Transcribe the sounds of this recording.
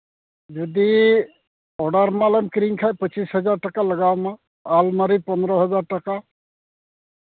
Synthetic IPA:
d͡ʒɔd̪i | ɔɖaɾmalɛmkɾiŋkʰajpət͡ʃisɦɔzaɾʈakaləɡawma | almaɾipɔnd̪ɾɔɦɔzaɾʈaka

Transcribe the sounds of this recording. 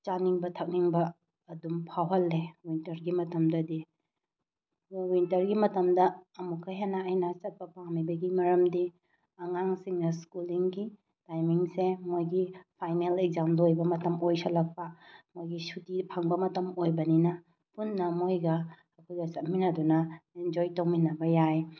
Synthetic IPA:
t͡ʃaniŋbɐtʰɐk̚niŋbɐː | dumpʰawɦɐlːewintɐɾɡimɐtɐmdɐdi | wintɐɾɡimɐtɐmdɐːmukʰɐjɦanaːjnɐt͡ʃɐt̚pɐpaŋmibɐɡimɐɾɐmdi | ɐŋaŋsiŋnɐskuliŋɡi | tajmiŋsemojɡipʰajnelek̚zamlojbɐmɐtɐmojsɐlɐk̚pɐmojɡisutipʰɐŋbɐmɐtɐmojbɐninɐ | punːɐmojɡɐː | kʰojɡɐsɐt̚minɐdunɐind͡ʒojtɐwminɐbɐjaj

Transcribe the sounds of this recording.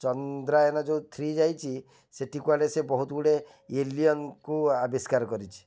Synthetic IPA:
t͡ʃɔnd̪ɾaenɔd͡ʒẽt̪ʰɾid͡ʒajt͡ʃʰi | seʈikualesebɔɦut̪ɡuɽe | eliɔnkuabiskaɾkɔɾit͡ʃʰi̥

